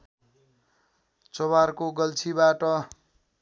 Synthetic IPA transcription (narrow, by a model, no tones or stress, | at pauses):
t͡sobarkoɡʌlt͡sʰibaʈʌ